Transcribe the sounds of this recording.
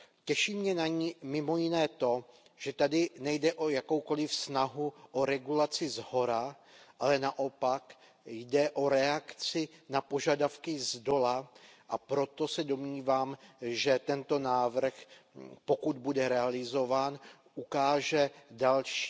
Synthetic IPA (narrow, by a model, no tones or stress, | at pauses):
cɛʃiːmɲɛnaɲmɪmo̞jɪnɛːt̪o̞ | ʒ̥ɛt̪adɪnɛjdɛʔo̞jako̞wko̞lɪfsnaɦuʔoɾɛɡulat͡sɪzɦo̞ɾa | ʔalɛnaʔo̞pak | jdɛʔo̞ɾɛakt͡sɪnapo̞ʒadafkɪzdo̞laʔapɾo̞t̪o̞sɛdo̞mɲiːvaːmʒɛt̪ɛnt̪o̞naːvr̩xpo̞kud̪budɛɾɛalɪzo̞vaːn | ʔukaːʒɛdalʃ